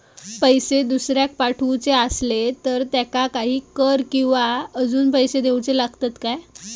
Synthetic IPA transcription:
pəjsed̪usɾjak̚paʈʰut͡seaslet̪əɾt̪jakakaɦiːkəɾkĩw̃ʋaəd͡zuːnpəjsed̪ewt͡selaɡt̪at̪kaj

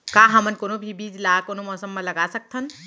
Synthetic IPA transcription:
kaɦəmənkoːnobʱibiːd͡ʒlakoːnomɔːsəmːeləɡasək̚t̪ʰən

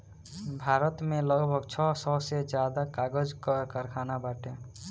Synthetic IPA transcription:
bʱaɾət̪meləɡbʱəɡt͡ʃʰɔsɔsed͡ʒjad̪akaɡəd͡ʒkəkəɾkʰanabaʈe

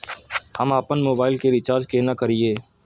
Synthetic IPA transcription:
həmaːpənmoːbaːɪlkeɾɪt͡ʃaːɾd͡ʒkeːnakɐɾieː

